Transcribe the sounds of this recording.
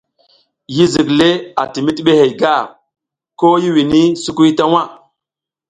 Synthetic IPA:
ji˦zi˨kle˦a̰˨ti˨mi˦ti˦ɓe˦he˨jɡa˦˨ | ko˦ji˦wi˨ni˦su˦ku˦jta˦wa˦˨

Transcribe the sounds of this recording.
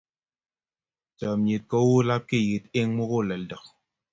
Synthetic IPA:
ta˨mje˨t̚kɔ˦wu˦la˦p̚ki˦˨ji˨t̚e˦ŋŋ͡mu˦ku˦˨lɛ˨ldə˨k̚

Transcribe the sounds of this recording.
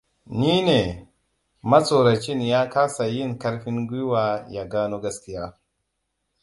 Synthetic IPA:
niː˦ne˨ | ma˦so˨ɾa˨t͡ʃi˦n˨ja˦ka˦sa˨ji˦˨nka˦ɾɸi˦nɡʷi˦wa˨ja˨ɡaː˦no˦ɡa˦ski˦ja˦

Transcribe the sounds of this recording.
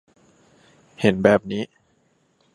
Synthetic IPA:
he˩˦nbɛː˨˩p̚niː˦˥

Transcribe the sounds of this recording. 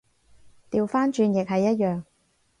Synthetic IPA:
t̪iː˨wfaː˥nt͡ʃyː˧njɪ˨k̚ɦɐ˨jːɐ˥t̚jœː˨˩ŋ

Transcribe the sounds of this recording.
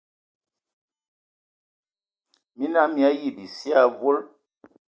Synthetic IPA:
mi˦na˨˦mi˨a˦ji˦˨bi˨si˦a˦˨vo˦l

